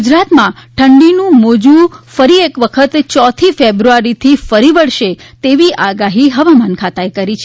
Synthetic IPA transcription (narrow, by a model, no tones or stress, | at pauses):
ud͡ʒɾat̪mãʈʰəɳɖinũmod͡ʒũfəɾiekʋəkʰət̪t͡ʃɔt̪ʰifebɾuaɾit̪ʰifəɾiʋəɭʃet̪eʋiʔaɡaɦiɦəʋamankʰat̪aekəɾit͡ʃʰe